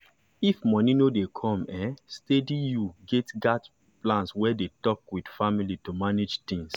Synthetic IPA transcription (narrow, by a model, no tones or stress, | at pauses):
ifmɔ̃nĩnodekʰɔ̃mɛ̃stedijuɡɛtɡat | plãnswɛdetɔkwid̥familitumaned͡ʒt̪ĩŋs